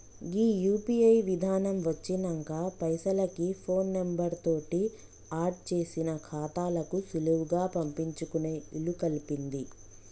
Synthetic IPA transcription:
ɡiːjuːpiɐjʋid̪ʱaːnɐmʋɐt͡ʃːinɐŋkaːpɐjsɐlɐkipʰo̞ːnːembɐɾt̪o̞ːʈi | aːɾʈ̚t͡ʃe̞ːsinɐkʰaːt̪aːlɐkusuluwuɡaːpɐmpiɲt͡ʃukune̞ːilukɐlipind̪i

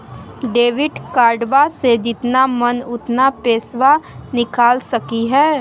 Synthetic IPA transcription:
ɖeːʋɪɖkaːɾɖʋased͡ʒɪt̪namənʊt̪napeːsʋanɪkaːlsɐkiɦɛː

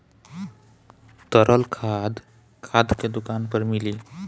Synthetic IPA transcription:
t̪əɾʔəlkʰad̪ | kʰad̪ked̪ukanpəɾmili

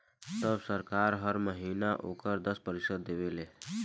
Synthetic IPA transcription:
t̪əbsəɾkaːɾɦəɾməɦiːnaʔo̰ːkəɾd̪əspəɾɪsəd̪ːeʋelẽː

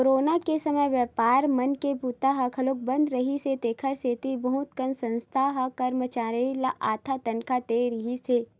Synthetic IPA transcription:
oɾoːnakesɐməjʋəːpaːɾmɐnkebut̪aɦɐkʰɐlok̚bə̃nd̪ɾɐɦiset̪eːkʰəɾseːt̪ibɐɦʊt̪kənsɐ̃nst̪ʰaɦɐkɐɾmət͡ʃaːɾilaʔaːt̪ʰat̪ɐnkʰat̪eɾɪɦiseː

